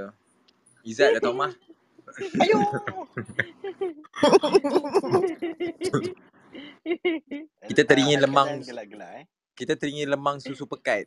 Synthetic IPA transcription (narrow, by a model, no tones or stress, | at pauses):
izaʔdat̪amah | it̪at̪əɾiŋiləmãŋŋ | kit̪at̪əɾiŋiləmãŋsusupəkat̪̚